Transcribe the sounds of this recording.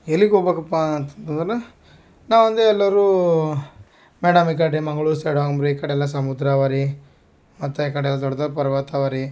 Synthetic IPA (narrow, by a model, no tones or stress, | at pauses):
elːiɡobekɐpːant̪ɐ̥nt̪ɐnd̪ɾɐle | naːʋɐnd̪eɛlːɐɾu | meːɽɐmik̬aʈːimɐŋɡɐɭuseːɽoɐmɾikɐɽɛlːɐsɐmud̪ɾaʋaːɾi | mɐt̪ːekɐɽɛlːɐd̪ɔɽːɐd̪ɐɾpɐɾɐʋaːt̪aʋaːɾi